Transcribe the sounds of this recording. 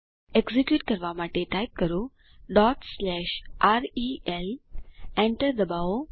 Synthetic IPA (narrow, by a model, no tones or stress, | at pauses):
eɡzikjuːʈkəɾʋamaʈeʈajp̚kəɾo | ɖɔːʈslɛɕʔaɾielɛ̃ɳʈəɾd̪əbao